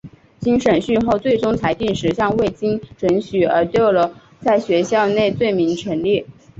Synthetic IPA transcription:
t͡ɕi˥ŋʂə˨˩nɕy˥˧xo˥˧ʊt͡swe˥˩ɪʈ͡ʂʊ˥ŋt͡sʰa˧˥ɪt̪i˥˩nʂɻ̩˧˥ɕjɑ˥˧ŋwe˥˩ɪt͡ɕi˥ŋʈ͡ʂwə˧˥nɕy˨˩ə̰˞˧˥t̪jo˥˩ʊlə˩ | t͡sa˥˩ɪɕɥɛ˧˥ɕjɑ˥˧ʊne˥˧ɪt͡swe˥˩ɪmi˧˥ŋʈ͡ʂʰɥə˧˥nli˥˩

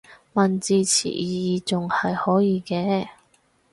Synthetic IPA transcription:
mɐ˨nt͡siː˨˧t͡sʰḭː˨˩jiː˨t͡sʊ˨ŋhɐ˨jhɔː˨˥jiː˧kɛː˧

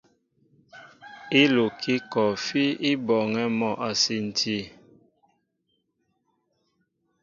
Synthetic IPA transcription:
i˦lo˨kʰi˦kɔ˨fi˦i˦bɔ˨ŋɛ˦mɔ˦˨ʔa˨si˦n̩˨tʰi˦

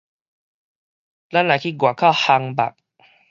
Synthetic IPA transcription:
la˦˥˨nla˨˩kʰi˧˩ɡwa˨˩kʰa˥˩ha˧ŋba̰˨k̚

